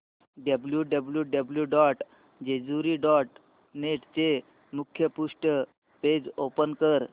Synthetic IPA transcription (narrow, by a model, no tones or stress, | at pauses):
ɖəbljuɖəbljuɖəbljuɖɔʈ | d͡ʑed͡zuɾiːɖɔʈ | neʈt͡se | mukʰːjəpuʂʈə | ped͡zopənkəɾ